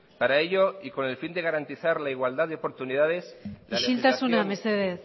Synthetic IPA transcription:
paɾaeʎo̞iko̞ne̞lfind̪e̞ɣ̞aɾant̪iθaɾlaiɣ̞wald̪aðeopo̞ɾt̪uniðað̞eslaiʃilt̪asunameɾseðeθ

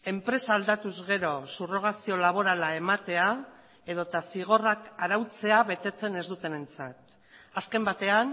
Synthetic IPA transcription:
e̞mpɾe̞saːld̪at̪uzɣe̞ɾo̞suro̞ɣ̞asio̞laβ̞o̞ɾalae̞mat̪e̞a | e̞ð̞o̞t̪asiɣ̞o̞rakaɾawt͡se̞aβe̞t̪e̞t͡se̞ne̞zd̪ut̪e̞ne̞nt͡sat̪ | aske̞mbat̪e̞an

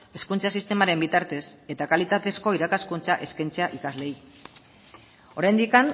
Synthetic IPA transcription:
e̞skunt͡sasist̪e̞maɾe̞mbit̪aɾt̪e̞se̞t̪akalit̪at̪e̞sko̞iɾakaskunt͡saʔe̞skajnt͡se̞aʔikazle̞j | o̞ɾajnd̪ikan

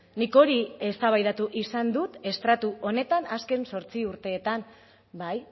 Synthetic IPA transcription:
niko̞ɾie̞st̪aβ̞ajðat̪uʔisand̪ut̪e̞st̪ɾat̪uʔo̞ne̞t̪anaske̞nso̞ɾt͡siuɾt̪e̞ːt̪am | baj

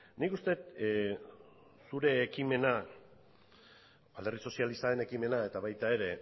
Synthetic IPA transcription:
nikust̪e̞t̪ | suɾe̞ːkime̞na | bald̪e̞riso̞sialisaðe̞ne̞kime̞nae̞t̪aβajt̪ae̞ɾe̞

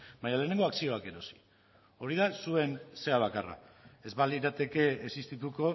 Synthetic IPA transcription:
baɲaleːne̞ŋɡo̞aksio̞ake̞ɾo̞si̥ | o̞ɾiðasue̞nse̞aβ̞akara̰e̞zβaliɾat̪e̞ke̞ːsist̪it̪uko̞

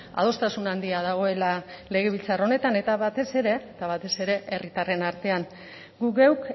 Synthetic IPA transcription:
a̰ð̞o̞st̪asunand̪iað̞aɣ̞o̞e̞lale̞ɣ̞e̞βilt͡saro̞ne̞t̪ane̞t̪aβat̪e̞se̞ɾe̞ːt̪aβat̪e̞se̞ɾe̞ʔerit̪are̞naɾt̪e̞an | ɡuɣewk

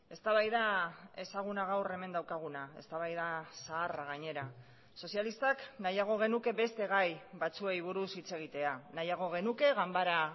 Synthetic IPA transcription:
e̞st̪aβajðae̞saɣ̞unaɣ̞awre̞me̞nd̪awkaɣ̞unae̞̰st̪aβajðasaːraɣ̞aɲe̞ɾa | so̞sialist̪aknajaɣ̞o̞ɣ̞e̞nuke̞βe̞st̪e̞ɣ̞ajβat͡sue̞jβ̞uɾusit͡se̞ɣ̞it̪e̞anajaɣ̞o̞ɣ̞e̞nuke̞ɣambaɾa

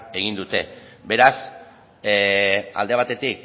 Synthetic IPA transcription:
e̞ɣind̪ut̪e̞be̞ɾas | a̰ld̪e̞β̞at̪e̞t̪ik

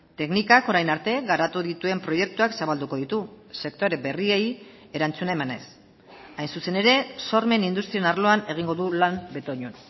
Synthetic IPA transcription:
t̪e̞knikako̞ɾajnaɾt̪e̞ɣaɾat̪uðit̪ue̞mpɾo̞je̞k̚t̪uaksaβald̪uko̞ðit̪u | se̞kt̪o̞ɾe̞be̞rie̞j | e̞ɾant͡sunae̞mane̞s | ajnsuse̞ne̞ɾe̞so̞ɾme̞nind̪ust̪ɾiaenarlo̞ane̞ɣ̞iŋɡo̞ðulambe̞t̪o̞ɲun

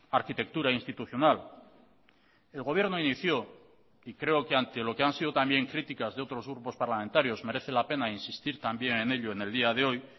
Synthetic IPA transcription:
aɾkit̪e̞k̚t̪uɾainst̪it̪uθjo̞nal | e̞lɣo̞β̞je̞ɾno̞iniθjo̞ | ikɾe̞o̞keant̪e̞lo̞keansið̞o̞t̪ambje̞ŋkɾit̪ikazðeo̞t̪ɾo̞zɣ̞ɾupo̞spaɾlamẽnt̪aɾjo̞zme̞ɾe̞θe̞lape̞nainsist̪iɾt̪ambje̞ŋe̞ne̞ʎo̞ene̞ld̪iaðe̞o̞j

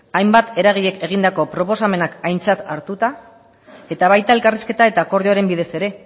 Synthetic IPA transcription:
ajmbat̪e̞ɾaɣ̞iʎe̞ke̞ɣ̞ind̪ako̞pɾo̞po̞same̞nakajnt͡sat̪aɾt̪ut̪a | e̞t̪aβ̞ajt̪aelkariske̞t̪ae̞t̪aːko̞ɾðeoɾe̞mbið̞e̞se̞ɾe̞

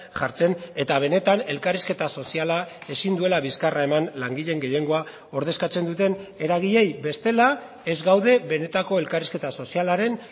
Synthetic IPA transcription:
ʝaɾt͡se̞ne̞t̪aβ̞e̞ne̞t̪ane̞lkariske̞t̪aso̞sialae̞sind̪ue̞laβiskarae̞manlaŋɡiʎe̞ŋɡe̞je̞ŋɡo̞a | o̞ɾð̞e̞skat͡se̞nd̪ut̪e̞ne̞ɾaɣ̞iʎe̞jbe̞st̪e̞la | e̞zɡawðe̞βe̞ne̞t̪ako̞e̞lkariske̞t̪aso̞sialaɾe̞n

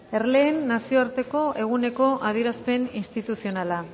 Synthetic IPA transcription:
e̞ɾle̞ːnːasio̞aɾt̪e̞ko̞ʔe̞ɣ̞une̞ko̞ʔað̞ieɾaspe̞ninst̪it̪usio̞nala

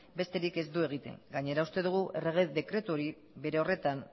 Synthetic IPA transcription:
be̞st̪e̞ɾike̞zd̪ue̞ɣ̞it̪e̞̰ŋɡaɲe̞ɾaust̪e̞ðuɣ̞uʔe̞re̞ɣ̞eðe̞kɾe̞t̪uo̞ɾi | βe̞ɾe̞o̞re̞t̪an

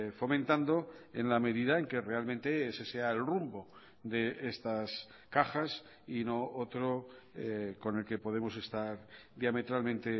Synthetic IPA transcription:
fo̞mẽnt̪and̪o̞e̞nlame̞ðiðae̞ŋke̞re̞almẽ̞nt̪e̞se̞seae̞lrumbo̞ | d̪e̞ʔest̪as | kaxas | ino̞ot̪ɾo | ko̞ne̞lke̞po̞ð̞emo̞se̞st̪aɾðjame̞t̪ɾalmẽnt̪e̞

